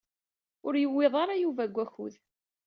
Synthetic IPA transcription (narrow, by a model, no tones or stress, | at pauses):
ʊɾjəwːɪðˤɑɾˤɑjuvæɡʷːæçṵð